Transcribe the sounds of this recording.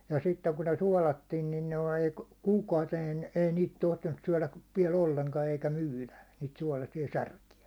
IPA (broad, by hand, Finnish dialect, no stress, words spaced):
jɑ sitːeŋ kun ne suɑˑlɑtːin nin noi kuːkɑuteːn ei niːt tohtinːus syæ̹læʋ ʋiɛl olːeŋkɑ eikæ myːlæ niːt suɒlɑsiɑ særkiæ